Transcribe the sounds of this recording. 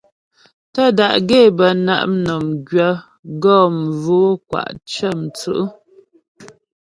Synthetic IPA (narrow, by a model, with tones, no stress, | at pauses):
tə˦da˨ʔɡe˦˨bə˨na̰˦ʔm˦nɔ˨mɡɥə˦ | ɡɔː˦˨m˨vo˨˦kwa̰˨ʔt͡ʃə˦˨m˨t͡sʉ̰˦ʔə˦